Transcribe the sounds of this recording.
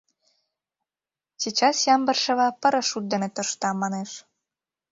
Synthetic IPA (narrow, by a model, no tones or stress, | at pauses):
sit͡ɕɑsjɑmbə̆rʃĕβɑpə̆ɾə̆ʃut̪̚d̪enĕt̪ə̆ʃt̪ɑmɑneʃ